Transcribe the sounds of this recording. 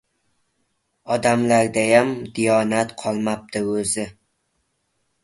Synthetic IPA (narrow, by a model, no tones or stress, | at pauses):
ɒd̪amlaɾd̪ajamd̪ijɒnat̪qʰɒlˠmap̚t̪ʰɪɵzɪ